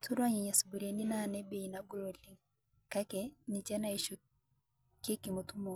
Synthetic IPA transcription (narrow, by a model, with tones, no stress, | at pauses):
tʰu˦ɾwa˦ɲɛ˨ɲa˨su˨bu˨ɾe˨ni˦na˦˨nɛ˦be˨i˨na˦ɡu˦lo˨li˨ŋ | ka˦kɛ˨ni˨t͡ʃɛ˦na˦i˨ʃo˨ | ke˦ki˨mo˨tu˦mɔ˨